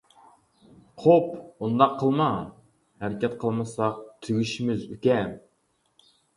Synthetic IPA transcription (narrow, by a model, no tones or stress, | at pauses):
qʰopund̪ɑqʰːəlˠmɑ | hæɾɪkʲɛt̪̚qʰəlˠmɨsɑq̚t̪ʰyɡʲyʃimɪzykʲɛ